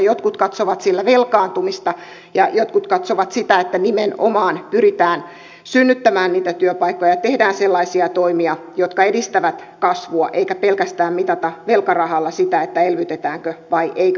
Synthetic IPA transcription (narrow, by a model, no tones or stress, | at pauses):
jot̪kut̪kɑt̪soʋɑt̪silːæʋelkɑːnt̪umist̪ɑ | jɑjot̪kut̪kɑt̪soʋɑt̪sit̪æet̪ːænimeno̰mɑːnpyrit̪æːn | synːyt̪ːæmæːnniːt̪æt̪yøpɑikːojɑjɑt̪ehdæːnselːɑisiɑt̪oimiɑjot̪kɑedist̪æʋæt̪kɑsʋuɑ̰ʔeikæpelkæst̪æːmmit̪ɑt̪ɑʋelkɑrɑhɑlːɑsit̪æet̪ːæelʋyt̪et̪æːŋkøʋɑiʔeik